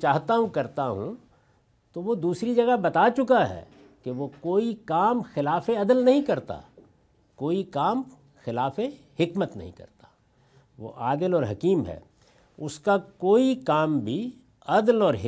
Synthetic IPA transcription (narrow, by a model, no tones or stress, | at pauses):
t͡ʃaːɦt̪aɦũkɐɾt̪aɦṵ̃ | t̪oʋod̪uːsɾid͡ʒɐɡabɐt̪at͡ʃʊkaɦɛ̰ː | keʋokoːikaːmxɪlaːfeɐd̪əlnɐɦĩkɐɾt̪a̰ | koːikaːm | xɪlaːfe | hɪkmət̪nɐ̰ɦḭ̃kɐ̰ɾt̪ḁ | ʋo̰ʔaːd̪əlɔːɾɦɐkiːmɦɛ̰ː | ʊskakoːikaːmbʱi | ɐd̪lɔːɾɦɪ